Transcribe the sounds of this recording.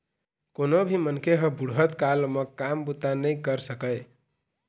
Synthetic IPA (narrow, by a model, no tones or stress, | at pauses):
konobʱimənkʰeɦə̃buɽɦət̪kalməkambut̪anəjkəɾsəkəɪ